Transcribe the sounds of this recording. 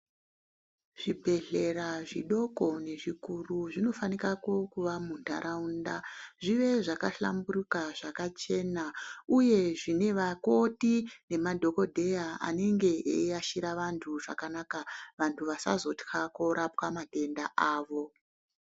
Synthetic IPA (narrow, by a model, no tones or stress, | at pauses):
ʐ̥ibʱe̞ɮe̞ɾaʐiɗo̞ko̞ne̞ʐikuruʐino̞fanikako̞kuʋamunda̰ɾʔaundaʐiʋe̞ʐakaɬa̰mburukaʐakat͡ʃe̞nauje̞ʐine̞ʋako̞tine̞madʱo̞ko̞dʱe̞jaa̰ne̞ŋɡe̞eaʃiɾaʋantʰuʐa̰kanakaʋantʰuʋasa̰zo̞txako̞ɾapwamadʱe̞ndaʔaːʋo̞